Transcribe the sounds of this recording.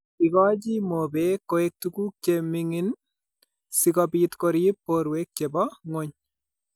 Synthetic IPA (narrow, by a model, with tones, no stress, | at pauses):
ikɔ˦t͡ʃi˦mo˨bekːo˨ek̚tukuː˦k̚t͡ʃe˨miŋin | sikɔbitkoɾi˦pːoɾwe˦k̚t͡ʃe˨bɔ˦ŋo˦ɲ